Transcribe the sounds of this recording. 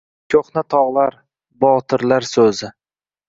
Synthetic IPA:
kʲʰoχnat̪ʰɒʁlˠaɾ | bɒt̪ʰɪɾlaɾsɵzɪ

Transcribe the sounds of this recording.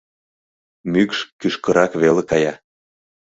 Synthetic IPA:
mykʃkyʃkəɾɑkβelekɑjɑ

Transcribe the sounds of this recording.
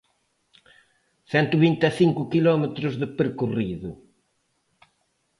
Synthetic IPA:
θɛnt̪uβint̪eθiŋkʊkilɔmet̪ɾʊzðɪpeɾkuriðʊ

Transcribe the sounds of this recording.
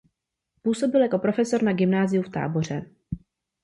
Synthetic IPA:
puːso̞bɪljako̞pɾo̞fɛso̞ɾnaɡɪmnaːzɪjuft̪a̰ːbo̞r̝ɛ

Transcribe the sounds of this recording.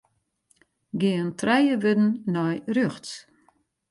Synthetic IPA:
ɡɪəntrɛjəʋødn̩ːɔjrøxtt͡s

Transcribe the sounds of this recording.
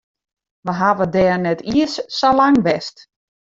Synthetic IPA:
ʋəɦaʋədɛːrnɛtʰiəssalaŋʋɛst

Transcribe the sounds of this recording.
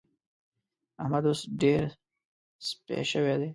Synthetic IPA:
amad̪ʊsɖeɾ | spḛʃəwed̪eː

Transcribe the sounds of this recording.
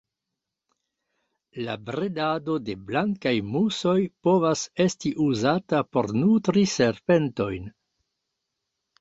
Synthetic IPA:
la̰bɾedado̞de̞blaŋkajmuso̞jpo̞vase̞stiʔuzatapo̞̰ɾnutɾise̞ɾpe̞nto̞jn

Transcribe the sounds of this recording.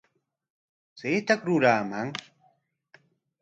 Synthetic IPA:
t͡seːt̪akɾʊɾaːmaŋ

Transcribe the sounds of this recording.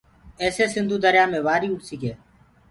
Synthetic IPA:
eːseːsɪnd̪ʱuːd̪əɾjaːmẽːʋaːɾiːʊʈsiːkeː

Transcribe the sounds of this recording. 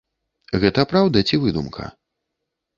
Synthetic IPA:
ɣɛt̪ɐpɾawd̪ɐt͡sʲivɨd̪umkʰɐ̰

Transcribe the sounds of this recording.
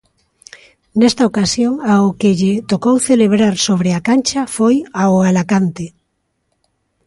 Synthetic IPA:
nɛst̪aokasjoŋaʊkeʎet̪okowθeleβɾaɾsoβɾeakant͡ʃafojaoalakant̪e

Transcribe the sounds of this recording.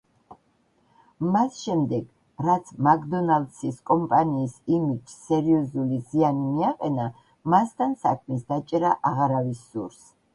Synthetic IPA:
masʃɛmd̪ɛɡ̥ | ɾat̪sʰmakd̪ɔnald̪siskʼɔmpʼaniːsimid͡ʒsɛɾiɔzulizianimiaqʼɛna | mast̪ʰansakʰmis̬d̪at͡ʃʼɛɾaʔaʁaɾavisːuɾs

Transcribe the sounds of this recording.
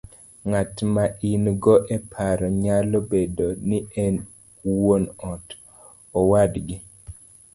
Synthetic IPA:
ŋatmaʔinɡɔʔɛpʰaɾɔɲalɔbedoniɛn | wonɔt | ɔwadɡɪ

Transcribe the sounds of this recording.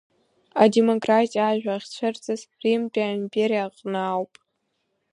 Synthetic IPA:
ade̞mo̞kʼratʼiaʒᶣʷaχʲt͡ɕʷʰɨrt͡sʼɨzrimtʼiaimpʼeɾijaqʼnɨːwpʼ

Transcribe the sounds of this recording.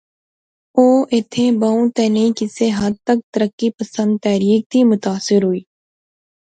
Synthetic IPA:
oːʔɪt̪ʰẽbaũt̪ɛːneĩkɪseɦɐd̪̚t̪ək̚t̪əɾəkːipəsə̃nd̪̚t̪ɛːɾiːk̚t̪ʰimʊt̪aːsɪɾɦʊiː

